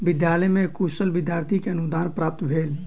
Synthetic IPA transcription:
bɪd̪jaləjmẽkusəlbɪd̪jaɾt̪ʰikeənud̪aːnpɾaːp̚t̪bʱel

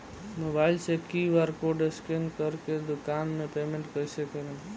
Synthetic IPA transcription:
mobailsẽkiʋaɾkoɖeskenkəɾked̪ukanmepemẽɳʈkəisəkel

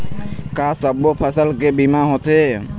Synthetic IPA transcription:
kasabɔpʰasalkɛbimaɦɔt̪ʰɛ

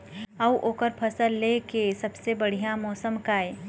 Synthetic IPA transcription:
ɐwʔoːkəɾpʰɐsəlːekesɐbsebɐɽ̤ijamɔːsəmkaːe

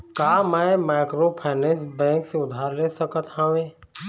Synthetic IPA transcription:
kaːmɛ̃maɪkɾopʰaːnɛ̃ːsbɛ̃ːŋkseʊd̪ʱaːɾleːsəkət̪ɦə̃ʋẽː

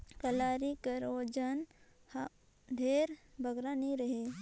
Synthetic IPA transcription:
kəlaːɾikəɾoːd͡ʒənha | d̪ʱeːɾbʱəɡɾaːniɾəɦe

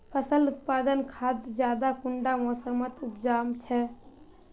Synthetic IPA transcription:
pʰəsəlut̪paːd̪ənkʰad̪d͡ʒjaːd̪akuɳɖamɔːsəmət̪upd͡ʒaːmt͡ʃʰɛ

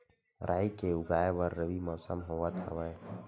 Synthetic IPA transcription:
ɾʔaːikeʊɡaːeʋəɾːəʋimɔːsə̰mɦoːwat̪ʰa̰ʋəe

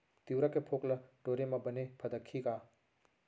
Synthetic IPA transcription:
t̪iwɾɐkepʰoːklɐʈoːɾemɐ̃bɐnepʰɐd̪ɐkʰːikaː

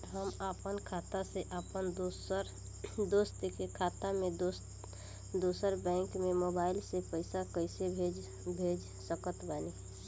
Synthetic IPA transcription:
ɦəmapənkʰat̪aseʔapənd̪osəɾ | d̪ost̪ekekʰat̪amed̪os | d̪osəɾbɛ̃ŋkmemobaːɪlsepəɪsakəɪsebʱed͡ʒ | bʱed͡ʒ | səkət̪bani

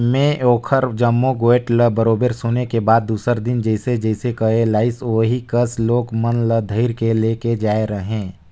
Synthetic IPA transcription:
mẽʔoːkʰəɾd͡ʒəmːoɡoːeʈləbəɾoːbeɾsʊnekebaːd̪̚ːuːsəɾd̪ɪnd͡ʒɛːɪsed͡ʒɛɪsekɐelaːɪsoːɦikəsloːɡmənləd̪ʱəɪɾkeleːked͡ʒaːeɾɐɦẽː

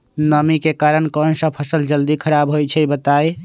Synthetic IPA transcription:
nəmikekaɾənkənsə̃pʰəsəld͡ʒəld̪ikʰəɾabɦojt͡ʃʰɛbət̪aj

